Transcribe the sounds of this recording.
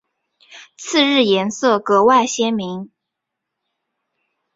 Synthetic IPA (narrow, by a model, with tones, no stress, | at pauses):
t͡sʰɹ̩˥˧ɻɻ̩˥˩jɛ˧˥nsɤ˥˩kɤ˧˥wa˥˩ɪɕjɛ˥nmi˧˥ŋ